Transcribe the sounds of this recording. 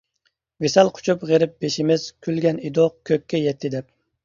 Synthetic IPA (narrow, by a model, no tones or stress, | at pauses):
vesɛlˠqʰʊ̥t͡ʃʰupʁeɾɪp̚b̥eʃɪmɪz̥kʲʰylɡʲɛnid̪oqkʲʰøkʲːɛjɛt̪ʰːɪd̪ɛp̚